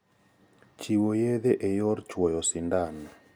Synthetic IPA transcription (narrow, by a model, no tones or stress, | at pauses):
t͡ʃiwojeðeʔejɔɾt͡ʃwɔjɔsindanɛ